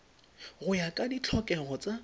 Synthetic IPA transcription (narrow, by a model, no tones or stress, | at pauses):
ɣʊjakʼadit͡ɬʰɔkʼɛɣɔt͡sʼa